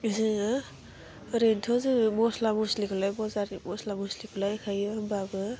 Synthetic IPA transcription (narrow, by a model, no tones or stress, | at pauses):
zɯa | ɾentʰɔzɯmɔslamuslikʰulajbɔzaɾimɔslamuslikʰulajkʰajbabɯ